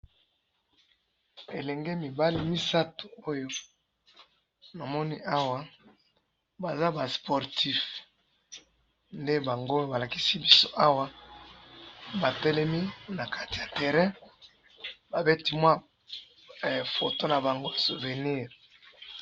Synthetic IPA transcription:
e˨lɛ˨ŋɡe˦mi˨ba˦li˦mi˦sa˦to̥˨o˦jo˦ | na˨mɔ˦ni˦ʔa˦wa˦ | ba˨za˦ba˨spʰɔ˨ʁti˦f | nde˦ba˨ŋɡo˦ba˨la˨ki˦si˦bi˦so˦ʔa˦wa˦ | ba˨tɛ˦lɛ˦mi˦na˨kʰa˦ti˨ja˨tɛ˨ʁɛ̃˦ | ba˨be˦ti˦mwa˦˨ | fo˨to˦na˨ba˨ŋɡo˦˨su˨ve˨ni˦˨ʁ

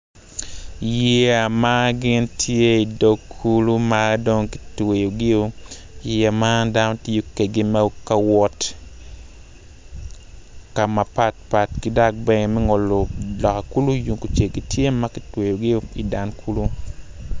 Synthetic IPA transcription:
je˨a˨ma˦ɡɪ˦ntʰje˦i˨do˦kʰːu˦lu˦mado˦ŋki̥˨twe˨jo˨ɡi˦o˦ | jjɛ˨ma˦da˦no˦tɪ˦o˦ke˨ɡi˦ma˦ka˦wɔ˦t | ka˨ma˨pa˦t̚pa˨tki˦da˦k̚bɛ˦ŋe˨mɛ˦ŋo˨lo˨lɔ˨ka˨ku˦lu˦ju˨ŋko˨t͡ʃe˨ɡi˨tje˦ma˦kɪ˨twe˨jo˨ɡi˦o˦i˨da˨nkʰu˦lu˦

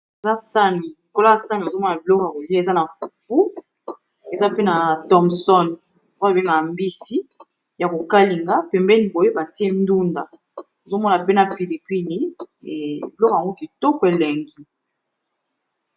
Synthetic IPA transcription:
e˨za˦sa˦ni˨lo˨ko˦la˦˨sa˦ni˨o˨zo˦mɔ˦na˨bi˨lɔ˦kja˨ko˨li˦a˦e˨za˦na˨fu˨fu˦ | e˨za˦pe˦na˨tɔ˦msɔ˦n | o˨kbe˦ŋɡa˨mbi˦si˦ | ja˨ko˨ka˦li˨ŋɡa˦pɛ˨mbɛ˦ni˨bo˨je˦ba˨ti˦e˦ndu˦nda˨ | o˨zo˦mɔ˦na˨pe˦na˨pi˨li˨pi˦li˦˨ | bi˨lɔ˦ko˨ja˨ŋɡo˦ki˨to˦kwe˨lɛ˨ŋɡi˦

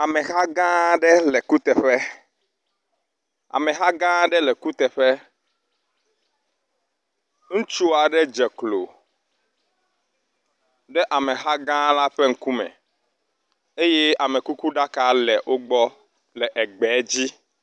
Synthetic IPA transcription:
a˨mɛ̃˨xa˦ɡã˦ɖɛ˦lɛ˨ku˦t̪ɛ˨ɸɛ˦ | a̰˨mɛ̃˨ɦa˦ɡã˦ɖɛ˦lɛ˨ku˦t̪ɛ˨ɸɛ˦ | ŋũ˦t͡ʃu˦a˨ɖɛ˦d͡ʒɛ˨klo̰˨ | ɖɛ˦ʔa˨mẽ˨ɦa˦ɡã˦la˦ɸe˦ŋ̩˦ku˦mɛ̰̃˨ | e˦je˦a˨mẽ˨ku˦ku˦ɖa˦ka˨lɛ˨ʔo˦ɡ͡bɔ˦ | lɛ˨ʔɛ˨ɡ͡bɛ˨˦d͡ʑi˦

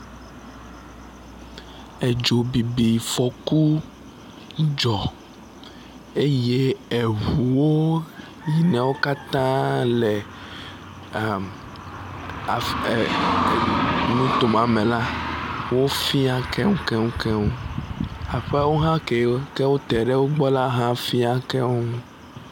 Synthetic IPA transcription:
e˨d͡ʒo˨bi˨bi˨fɔ˨ku˦ | d͡ʒɔ˨ | e˦je˦e˨ɦu˨wo˦ | ji˨nɛ̃˨wo˦ka˦t̪ã˦lɛ˨ | a˨m | a˨ | nũ˦t̪o˨mã˨mɛ̃˨la˦wo˦fi˦a˦kɛ˦ŋũ˦kɛ˦ŋũ˦kɛ˦ŋũ˦ | a˨ɸɛ˦wo˦ɦã˦ke˨˦kɛ˦wo˦t̪ɛ˨ɖɛ˦wo˦ɡ͡bɔ˦la˦ɦã˦fi˦a˦kɛ˦wo˦ũ˦

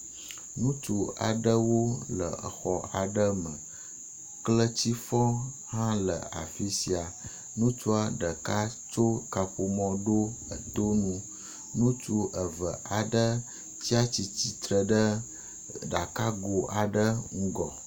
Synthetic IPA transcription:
nũ˦t͡ʃu˨a̰˨ɖə˦wo˦lə̰˨ə˨xɔ˨a˨ɖə˦mə̃˨ | klə˦t͡ɕi˦fɔ̃˦ | hã˦lə̰˨a̰˨fi˦si˨a˨ | nũ˦t͡ʃu˦a˨ɖə˨ka˦t͡ʃo˦ka˨ɸu˨mɔ̃˦ɖo˦ə˨t̪o˦nũ˦ | nũ˦t͡ʃu˦ʔə˨və˨ʔa˨ɖə˦ | t͡ɕi˦a˦t͡ɕi˨t͡ɕi˨t̪ɾə˨ɖə˦ | ɖa˨ka˦ɡo˨a˨ɖə˦ŋ̩˦ɡɔ˨

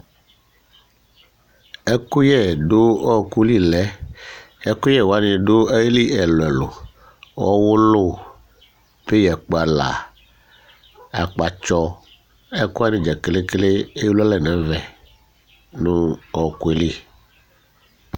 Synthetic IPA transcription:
e˦ku˦jɛ˦˨ɖo˦ɔ˦˨ku˦li˦lɛ˦ | e˦ku˦jɛ˦˨wo˨a˦nĩ˨ɖo˦e˦jli˦ɛ˨lo˨ɛ˨lo˨ | wɔ̰˦wʊ˦lo˦˨ | pe˦jɛ˨k͡po˨a˨la̰˨ | a˨k͡pa˨t͡ʃɔ˦ | e˦ku˦a˦nĩ˨d͡ʒɛ˨kle˦kle˦e˦la˦lɛ˨nɛ̃˨˦vɛ˨ | nũ˦ɔ˨ku˦e˨li˦

